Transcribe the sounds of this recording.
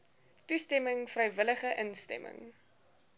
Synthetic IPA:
tustɛməŋfrəjvələχəʔənstɛ̰mə̰ŋ

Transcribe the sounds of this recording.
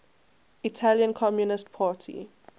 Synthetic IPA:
itʰaljə̃nkʰɔmjunɪstpʰaːtʰḭ

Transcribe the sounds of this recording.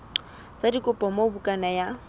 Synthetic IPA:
t͡sʼadikʼʊpʼɔmɔʊbukʼanaja

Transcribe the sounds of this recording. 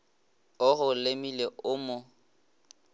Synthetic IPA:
ʊɣʊlemileʊmʊ

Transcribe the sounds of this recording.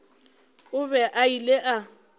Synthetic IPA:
ʊbɛʔaileʔa

